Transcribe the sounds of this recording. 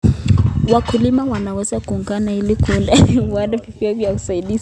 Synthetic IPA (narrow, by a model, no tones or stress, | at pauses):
wakulimawanawɛzakuːŋɡanailikulawadɛvikiavjaku̥sailiz